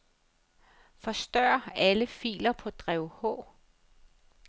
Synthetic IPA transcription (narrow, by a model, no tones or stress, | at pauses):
fɒ̽sd̥ɶɐ̰æləfḭːlɐpʰɒ̽d̥ʁɛʊhɔ̰̽ː